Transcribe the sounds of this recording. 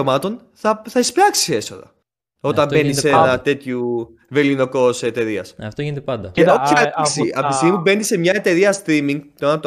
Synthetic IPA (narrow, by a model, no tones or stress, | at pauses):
omɐt̪o̞n | θɐθɐispɾɐksiiie̞so̞ðɐ̰ | o̞t̪ɐmbe̞nissenɐt̪e̞t̪çu | velino̞ko̞set̪e̞ɾiɐsɐft̪oinet̪eɐnd̪ɐceosɐisiɐfist̪imube̞nisemɲɐe̞t̪e̞ɾiɐst̪ɾimiŋɡt̪onɐt̪